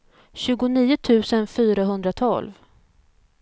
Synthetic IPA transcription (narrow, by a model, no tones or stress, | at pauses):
ɕʉ̟ːɡʊniːʊt̪ʰʉ̟ːsənfyːɾaɦɵnd̪ɾat̪ʰɔ̰lv